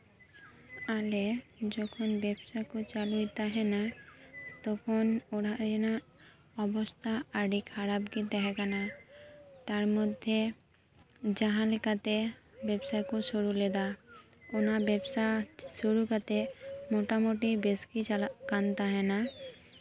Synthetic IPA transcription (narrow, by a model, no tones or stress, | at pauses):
aled͡ʒɔkʰɔnbɛbsajkut͡ʃalujt̪aɦɛna | t̪ɔkʰɔnoɽad͡ʒena | ɔbɔst̪ʰaaɖikʰaɾabkit̪aɦɛkana | t̪aɾmɔd̪ʱːe | d͡ʒaɦãlkat̪e | bɛbsajkusoɾulɛd̪aonabɛbsasoɾukat̪emoʈamoʈibeskikant̪aɦɛna